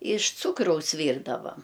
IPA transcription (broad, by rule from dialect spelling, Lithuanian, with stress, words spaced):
ɪʃ ˈt͡suːkrɐʊs ˈʋʲiːrdɐʋɐm